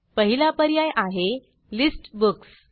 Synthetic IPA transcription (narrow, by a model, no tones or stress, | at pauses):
pəɦilapəɾjajʔaɦe | lisʈbuks